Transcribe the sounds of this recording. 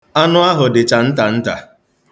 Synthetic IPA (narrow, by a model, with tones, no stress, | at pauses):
a˦nʊ˦a˦ɦʊ˨dɪ˨t͡ʃa˨n̩˦ta˨n̩˦ta˨